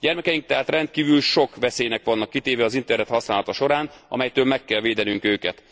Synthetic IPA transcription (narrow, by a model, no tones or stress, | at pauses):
ɟɛrmɛkɛjiŋk̚t̪ɛɦaːt̪rɛnt̪̚kiːvylʃo̞kʋɛseːjnɛkʋɒnːɒkːit̪eːvɛɒzint̪ɛrnɛt̪hɒsnaːlɒt̪ɒʃo̞ɾaːnɒ̰mɛjt̪øːlmɛkːɛlveːd̪ɛnyŋkøːkɛt̪